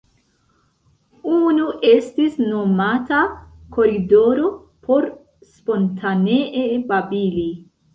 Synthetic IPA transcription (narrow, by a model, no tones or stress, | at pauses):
unuʔe̞stisno̞matako̞ɾido̞ɾo̞ | pʰo̞ɾ | spo̞ntʰaneʔebabili